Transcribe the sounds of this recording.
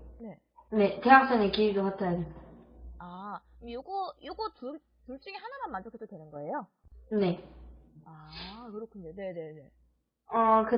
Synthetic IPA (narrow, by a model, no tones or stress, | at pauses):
ne̞ | ne̞te̞ɦak̚s͈aŋekiiɡokatʰajadesaamjoɡojoɡutuɭ | tuɭt͡ɕ͈uŋiɦanamanmand͡ʑokʰedodwenɯnɡʌe̞jo | ne̞ | akɯɾokʰunːone̞ne̞ne̞ | akɯ